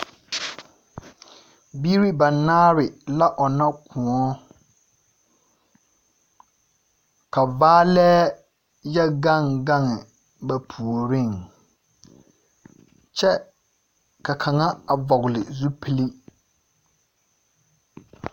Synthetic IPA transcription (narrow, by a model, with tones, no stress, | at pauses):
bi˦ɾi˦ba˨naː˦ɾɪ˨la˦ʔɔ˨na˦kʰʊ̃˨ɔ˦ | ka˨vaː˦lɛː˦ | jɛ˦ɡa˦˨ŋɡa˦˨ŋɪ˨ | ba˨pʰu˨o˨ɾi˦˨ŋ | t͡ʃɛ˦ | ka˨kʰa˨ŋa˦a˨vɔ˨ɣlɪ˨zu˦pʰi˦li˦